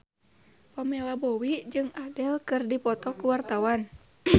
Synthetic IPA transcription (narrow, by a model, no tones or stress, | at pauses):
pamɛlabowid͡ʒɨŋadɛlkɨrdipɔt̪ɔkuwart̪awan